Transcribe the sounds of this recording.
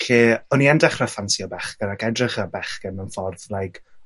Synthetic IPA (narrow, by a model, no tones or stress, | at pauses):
ɬeːɔniɛndɛχrafansiɔbɛχɡ̥ənakɛdrɪχəbɛχɡ̥ənənfɔrðlajkʰ